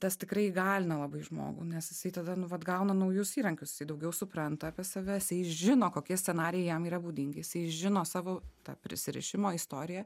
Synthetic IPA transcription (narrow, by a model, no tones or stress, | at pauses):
t̪ɐst̪ʲɪkɾɐɪɡɑːlʲɪnɐlˠɐbɐɪʒmo̰ːɡṵnʲɛsjɪsɐɪt̪ɐd̪ɐnʊʋɐt̪ɡɐʊnɐnɐʊjʊsiːɾɐŋʲkʲʊsjɪsɐɪd̪ɐʊɡʲɛʊsʊpɾɐnt̪ɐɑːpʲiːsɐʋʲɛjɪsɐɪʒʲɪnoːkoːkʲiɛsʲt͡sʲɛnɑːɾʲɪjɛɪjɛmiːɾɐbuːd̪ʲɪŋʲɡʲɪjɪsɐɪʒʲɪnoːsɑːʋoːt̪ɑ̰pʲɾʲɪ̰sʲɪɾʲɪ̰ʃʲɪmoːist̪oːɾʲɪjɛ